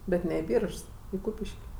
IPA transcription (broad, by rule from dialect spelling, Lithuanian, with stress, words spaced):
ˈbʲɛt nʲɛ ɪ ˈbʲiːrʃs ɪ ˈkuːpʲɪʃʲkʲ